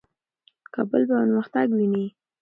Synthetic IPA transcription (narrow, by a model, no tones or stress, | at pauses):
kabəlbawanməxt̪aɡwini